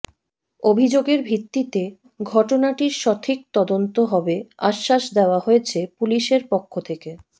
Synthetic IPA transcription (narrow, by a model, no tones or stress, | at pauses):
obʱid͡ʑoɡeɾbʱit̪ːit̪e | ɡʱɔʈonaʈiɾʃɔt̪ʰik̚t̪ɔd̪ont̪oɦɔbeaʃːaʃd̪eoaɦojet͡ɕʰepuliʃeɾpokʰːot̪ʰeke